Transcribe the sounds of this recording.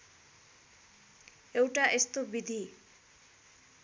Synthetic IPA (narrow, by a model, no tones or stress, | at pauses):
ewʈaʔest̪obid̪ʱi